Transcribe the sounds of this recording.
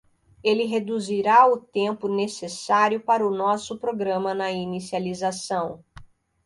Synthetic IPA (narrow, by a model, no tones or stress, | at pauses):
elɪɦed̪uziɾaʊt̪ẽmpʊnesesaɾjʊpaɾɐʊnɔsʊpɾoɡɾɐ̃mɐnɐinisializasɐ̃w̃